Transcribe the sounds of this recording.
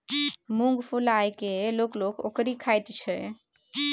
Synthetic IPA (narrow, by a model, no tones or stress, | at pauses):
mũŋɡpʰulajkelokloko̰kɾikʰajt̪t͡ʃʰɛ